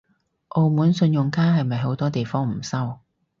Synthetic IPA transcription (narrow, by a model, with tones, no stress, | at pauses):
ʔo˧wmuː˨˥nsɵ˧njʊ˨ŋkaː˥ɦɐ˨jmɐ˨jɦo˨˥wt̪ɔː˥t̪e˨jfɔː˥ŋm̩˨˩sɐ˥w